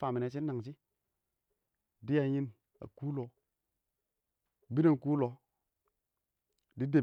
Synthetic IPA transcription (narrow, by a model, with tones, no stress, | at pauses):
fa˨mi˨ne˨t͡ʃi˦na˨ŋt͡ʃi˦ | di˦ja˨ji˦n | a̰˨ku˦lo˨˦˨ | bi˦na˨n˨ku˦lo˨˦ | di˦de˨